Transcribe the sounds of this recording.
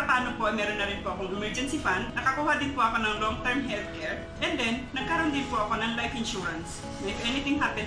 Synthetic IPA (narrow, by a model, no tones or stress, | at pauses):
pɐpaːnopoʔɐjmɛːɾonːɐɾɪnpoʔɐkoŋɛmɛɹd͡ʒɛnsifand̪nɐkɐkuːhɐd̪ɪnpoʔɐko̞nɐŋloŋt̪ɛɹmɦɛlt̪̚kɛɹ | ʔɛnd̪ɛnːɐɡ̚kɐɾond̪ɪnpoʔɐko̞nɐŋlajfɪnʃuːɹɐns | nɐɪfʔɛnɪt̪ɪŋɦapɛ̃n